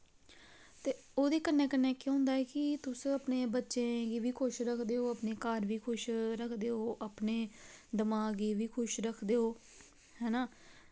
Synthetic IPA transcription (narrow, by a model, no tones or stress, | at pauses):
t̪eː | oːd̪eːkəneːkənːeːkjʊ̃ːnd̪aːɛːkɪt̪ʊsəpneːbətːʃẽːɡiːʋiːkʰʊʃɾəkʰd̪eːoːapneːkəɾʋiːkʰʊʃɾəkʰd̪eːoːʔapneːd̪əmaːɡiːʋiːkʰʊʃɾəkʰd̪eːoː | hɛːnaː